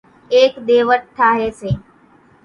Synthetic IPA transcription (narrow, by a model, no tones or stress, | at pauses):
eːkd̪eːʋəʈ̚ʈ̪ʰːaːɦeːseː